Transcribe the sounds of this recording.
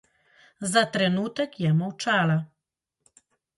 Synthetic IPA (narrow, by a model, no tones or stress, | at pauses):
zat̪ɾɛnuːt̪ɛkjɛmɔwt͡ʃaːla